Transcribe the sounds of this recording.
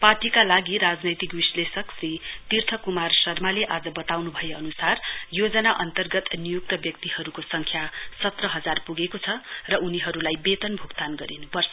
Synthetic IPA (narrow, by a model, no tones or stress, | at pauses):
paʈikalaɡiɾad͡znʌjt̪ikbislesʌksrit̪irt̪ʰʌkumarsʌrmaleʔad͡zʌbʌt̪awnubʱʌjeʌnusarjod͡zʌnaʔʌnt̪ʌrɡʌt̪nijuk̚t̪ʌbjʌkt̪ihʌɾukosʌŋkʰjasʌt̪rʌɦʌd͡zarpuɡekot͡sʰʌrʌuniɦʌɾulajbet̪ʌnbʱuɡt̪anɡʌɾinpʌrs